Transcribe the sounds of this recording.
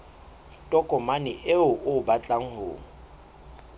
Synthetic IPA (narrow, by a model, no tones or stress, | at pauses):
tʼɔkʼɔmanɪʔeʊʔʊbat͡ɬʼaŋ̩hʊ̰ːŋ̩